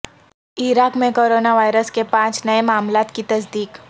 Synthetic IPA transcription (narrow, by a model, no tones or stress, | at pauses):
ɪɾaːkmẽkoːɾoːnaʋaːjɾəskepãːt͡ʃnɐemaːmlaːt̪kit̪ɐsd̪iːk